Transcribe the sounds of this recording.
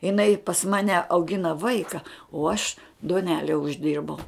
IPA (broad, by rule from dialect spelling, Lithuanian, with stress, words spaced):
ɪˈnɐɪ pɐs ˈmɑːnʲɛ ɐʊˈɡʲɪnɐ ˈʋɐɪkɐ oː ɐʃ duɔˈnʲæːlʲɛ ʊʒʲˈdʲɪrbɐʊ